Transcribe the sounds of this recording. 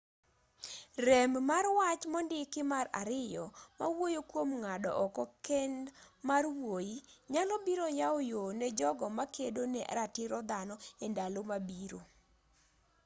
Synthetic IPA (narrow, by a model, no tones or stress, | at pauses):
rɛmmarwat͡ʃmɔndɪkɪmaɾa̰ɾɪjɔmawojokwomŋadɔʔɔkɔkɛndmarwojiɲalɔbiɾojaojonɛd͡ʒɔɡɔmakedonɛʔa̰ɾatɪɾɔd̪anɔɛndalomabiɾo